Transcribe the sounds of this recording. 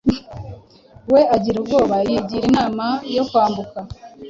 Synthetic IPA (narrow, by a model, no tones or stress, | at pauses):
we̞aɟiɾubɡo̞ːβajiɟiːɾinaːmajo̞kwaːmbuka